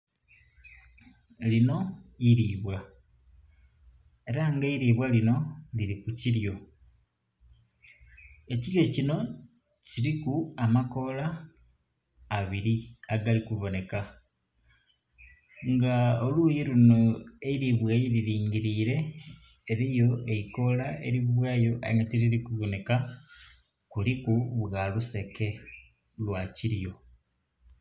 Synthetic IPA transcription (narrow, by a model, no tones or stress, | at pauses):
lino̞iɾiːβwa | eɾaŋɡeiɾiːβwalino̞liɾikuciɾjo̞ | e̞ciɾjo̞cino̞ | ciɾikuamako̞la | βiɾiaɡalikuβo̞ne̞ka | ŋɡaoluːjiluno̞eiɾiβwejiɾiɾiːŋɡiɾiːɾe̞ː | ɾijo̞eiko̞lae̞̰ɾiββwaːjo̞ʔa̰iŋɡatiɾiɾikuβo̞ne̞ka | kulikuβɣaluse̞ke̞ | lwaciɾijo̞